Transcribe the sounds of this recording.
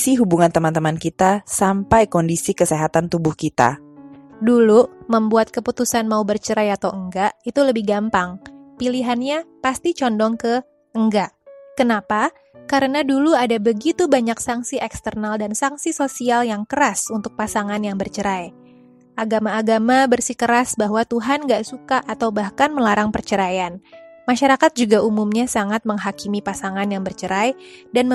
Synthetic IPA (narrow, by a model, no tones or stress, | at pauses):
siɦubuŋant̪əmant̪əmankit̪asampajkɔndisikəseɦat̪ant̪ubʊhkit̪a̰ | duluməmbuat̪̚kəput̪usanmaubərt͡ʃəɾajat̪awəŋɡaʔit̪uləbɪhɡampaŋpiliɦanɲapast̪it͡ʃɔndɔŋkə | əŋɡaʔkənapa | kaɾənaduluadabəɡit̪ubaɲaksaŋsiʔɛkst̪ərnaldansaŋsisosialjaŋkəɾasunt̪ʊk̚pasaŋanjaŋbərt͡ʃəɾaj | ʔaɡamaːɡamabərsikəɾasbaɦwat̪uɦanŋɡaʔsukaʔat̪awbahkanməlaɾaŋpərt͡ʃəɾajanmaʃaɾakat̪̚d͡ʒuɡaumumɲasaŋat̪̚məŋɦakimipasaŋanjaŋbərt͡ʃəɾajdan